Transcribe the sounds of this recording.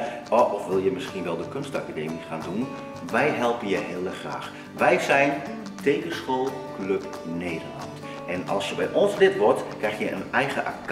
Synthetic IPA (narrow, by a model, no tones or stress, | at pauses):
ɔʔɔfʋɪlˠjəmɪskinʋɛlˠdəkønstakadeːmixaːndun | ʋɛjɦɛlˠpənjəɦeːləxra̰ːx | ʋɛjsɛjn | tʰeːkəsxoːlˠkløp | neːdərlɑ̰nt | ʔɛnɑ̰lˠsjəbɛjʔɔnslɪtʋɔrtkrɛxjəə̰nɛjɣəʔa̰k